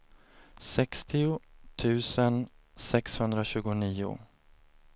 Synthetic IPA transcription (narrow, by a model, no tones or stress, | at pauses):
sɛkst̪ʰɪʊt̪ʰʉ̟ːsən | sɛkshɵnd̪ɾaɕʉ̟ːɡʊniːʊ̰